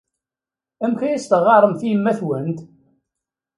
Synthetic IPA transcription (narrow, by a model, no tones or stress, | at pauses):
æmçæjæst̪əʁɑɾˤəmθijmːæθwənt̪